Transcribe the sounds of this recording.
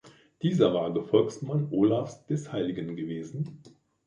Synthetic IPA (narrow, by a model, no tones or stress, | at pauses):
d̥iːzɐvaːɐɡəfɔlksmanʔoːlafsd̥ɛshaɪlɪɡənɡəveːzn̩